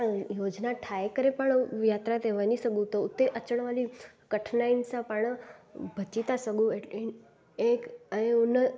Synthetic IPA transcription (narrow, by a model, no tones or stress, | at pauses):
jod͡ʒnaʈʰaekəɾepəɳjat̪ɾat̪eʋanisəɡũt̪ot̪eʔət͡ʃəɳ̃ʋali | kəʈʰnainsãpəɳbʱət͡ʃit̪asəɡũe | ekəeun